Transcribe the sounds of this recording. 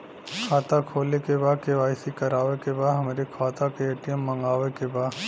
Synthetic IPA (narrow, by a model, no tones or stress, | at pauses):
kʰaːt̪akʰoːlekebaːd̪̚keʋaːɪsikɐɾaːʋekebaːd̪ɦɐmeɾikʰaːt̪akeeːʈɪjəmːɐ̃ŋɡaːʋekebaːd̪